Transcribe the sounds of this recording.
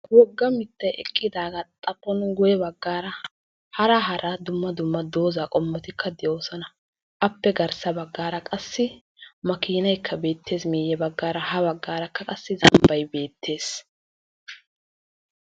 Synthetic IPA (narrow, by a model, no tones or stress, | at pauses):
wɔɡːɐmɪt̪ːɐjɛ̰kʼːɪd̪aːɡɐt̪ʼɐpʼːɔnɡʊjɛbɐɡːaːɾɐ | hɐɾɐɦɐɾɐd̪ʊmːɐd̪ʊmːɐd̪oːzaːkʼɔmːɔt̪ɪkʰːɐd̪ɛjoːsɔnɐ | ʔɐpːɛɡɐɾsɐbɐɡːaːɾɐkʼɐsːɪ | mɐkiːnɐjkʰːɐbe̞ːt̪ʰːe̞ːsmiːjɛbɐɡːaːɾɐhɐβɐɡːaːɾɐkːɐkʼɐsːɪzɐmbɐjbe̞ːt̪ʰːe̞ːs